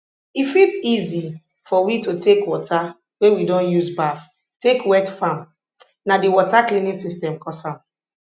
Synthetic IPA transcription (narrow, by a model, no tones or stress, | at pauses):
ifitizi | fɔwitotʰekwɔta | wewidɔ̃njuzbaf | tekwɛtfãm | nadiwɔtaklinĩsistɛ̃mkɔsãm